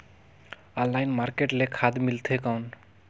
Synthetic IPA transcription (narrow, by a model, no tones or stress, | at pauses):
ɔnlːajnmaɾkeʈlekʰad̪milt̪ʰekawɳ